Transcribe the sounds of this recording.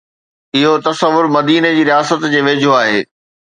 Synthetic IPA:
ɪɦot̪ɐsəʋːʊɾmɐd̪iːned͡ʑiːɾijaːsət̪d͡ʑeːʋeːd͡ʑʱoaːɦḛː

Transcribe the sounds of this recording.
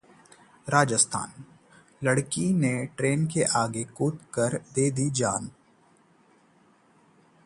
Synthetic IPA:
ɾaːd͡ʒəst̪ʰa̰ːn | ləɽkineʈɾeːnkeʔaːɡekuːt̪kəɾd̪eːd̪id͡ʒaːn

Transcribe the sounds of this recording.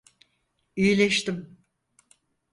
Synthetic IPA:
yjlʲɛʃt̪im

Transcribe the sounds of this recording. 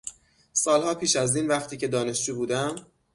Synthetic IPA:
sɒːlhɒːpʰiːʃæziːnvæχt̪ʰiːcʰe̞d̪ɒːne̞ʃd͡ʒuːbuːd̪æm

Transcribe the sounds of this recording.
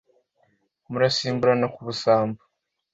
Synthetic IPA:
muɾasiːmbuɾanakuβusaːmbu̥

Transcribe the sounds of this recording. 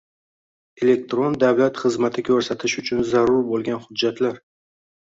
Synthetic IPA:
e̞le̞k̚t̪ɾond̪avlat̪χɨzmat̪ʰɪkʲʰɵɾsat̪ʰɪʃʊt͡ʃʰʊnzaɾʊɾbolˠɡʲanχʊd̪ːat̪ʰlaɾ

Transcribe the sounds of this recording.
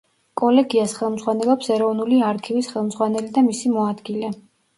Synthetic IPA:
kʼɔlɛɡiasχɛlˠmd̪zʁwanɛlˠɔpsɛɾɔvnuliaɾkʰivisχɛlˠmd̪zʁwanɛlid̪amisimɔad̪ɡilɛ

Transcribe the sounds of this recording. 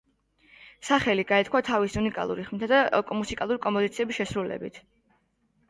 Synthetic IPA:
saχɛliɡaɛt̪̚ʰkʰwat̪ʰavisiunikʼa̰lˠṵɾiχmɛt̪ʰad̪aɔkʼɔmusikʼalˠuɾikʼɔmpɔd̪it̪sʰiɛbisʃɛsɾulɛ̰bḭt̪ʰ

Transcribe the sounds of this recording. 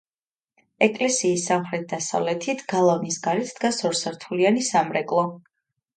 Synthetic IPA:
ɛkʼlɛsiːsːamχɾɛt̪̚d̪asa̰vlɛt̪ʰit̪ʰɡ̥alˠavnisɡaɾɛt̪ʰd̪̥ɡasɔɾsaɾt̪ʰulianisamɾɛkʼlˠɔ

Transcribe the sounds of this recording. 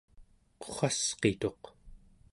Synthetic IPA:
qo̥χasqet̪o̞q

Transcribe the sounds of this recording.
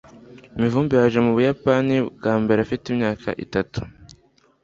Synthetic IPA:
imivuːmbijaʒe̞muβujapanibɡaːmbeɾafitimɲaːkʰa̰ʔḭtatu̥

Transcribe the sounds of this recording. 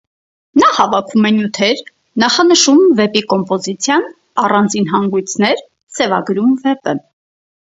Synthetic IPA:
nɑhɑvɑkʰvumɛnjut̪ʰɛɾ | nɑχɑnəʃumvɛpikɔmpɔzit͡sʰjɑn | ɑrɑnd͡zinɦɑŋɡujt͡sʰnɛɾ | sɛvɑɡɾumvɛpə

